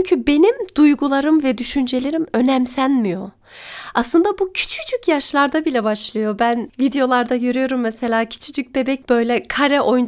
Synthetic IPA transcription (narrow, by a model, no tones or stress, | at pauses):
ɲcʰybe̞nimd̪̥ujɡulˠaɾɯmvɛd̪yʃynd͡ʒe̞lʲeɾimø̞nɛmsænʲmijo̞ | aslˠɯnd̪abucʰy̥t͡ʃʰy̥t͡ʃʰycjaʃlˠaɾd̪abilʲɛbaʃlˠɯjo̞bænvid̪ejo̞lˠaɾd̪ajøɾyjo̞ɾumːɛse̞lʲaːcʰy̥t͡ʃʰyd͡ʒyc̚be̞bɛc̚b̥ø̞jlʲɛkʰaɾɛʔo̞jun